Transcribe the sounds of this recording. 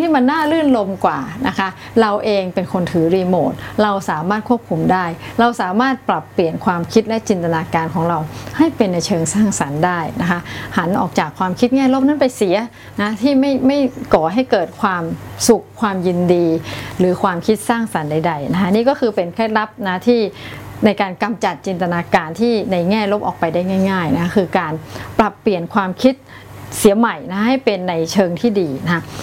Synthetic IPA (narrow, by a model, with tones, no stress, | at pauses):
t̪ʰiː˥˩ma˧nːaː˥˩lɯ˥˩nlo˧mkwaː˨˩na˦˥kʰa˦˥ʔ | ɾa˧wʔeː˧ŋpe˧nkʰo˧nt̪ʰɯː˩˦ɾiː˧moː˨˩t̪̚ɾa˧wsaː˩˦maː˥˩t̪̚kʰu˥˩əp̚kʰu˧mdaː˥˩jɾa˧wsaː˩˦maː˥˩t̪̚pɾa˨˩pːli˨˩ənkʰwaː˧mkʰi˦˥t̪̚lɛ˦˥t͡ɕi˧nt̪a˧naː˧kaː˧nkʰɔː˩˦ŋɾa˧wha˥˩jpe˧nːa˧jt͡ɕʰɤː˧ŋsaː˥˩ŋsa˩˦ndaː˥˩jna˦˥kʰa˦˥ʔha˩˦nʔɔː˨˩k̚t͡ɕaː˨˩kʰwaː˧mkʰi˦˥t̪̚ŋɛː˥˩lo˦˥˩p̚na˦˥npa˧jsi˨˩˦ɐ | na˦˥t̪ʰiː˥˩ma˥˩jma˥˩jkɔː˨˩ɦa˥˩jkɤː˨˩t̪̚kʰwaː˧msu˨˩kʰːwaː˧mji˧ndiː˧ɾɯː˩˦kʰwaː˧mkʰi˦˥t̪̚saː˥˩ŋsa˩˦nda˧jda˧jna˦˥kʰa˦˥niː˦˥kɔ˥˩kʰɯː˧pe˧nkʰɾɛː˦˥˩t̪̚la˦˥p̚na˦˥t̪ʰiː˥˩na˧jkaː˧nka˧mt͡ɕa˨˩t̪̚t͡ɕi˧nt̪a˧naː˧kaː˧nt̪ʰiː˥˩na˧jŋɛː˥˩lo˦˥p̚ʔɔ̰ː˨˩k̚pa˧jdaː˥˩jŋaː˥˩jŋaː˥˩jna˦˥kʰa˥kʰɯː˧kaː˧npɾa˨˩pːli˨˩ənkʰwaː˧mkʰi˦˥t̪̚ | si˨˩˦ma˨˩jna˦˥ɦa˥˩jpe˧nːa˧jt͡ɕʰɤː˧ŋt̪ʰiː˥˩diː˧na˦a˦˥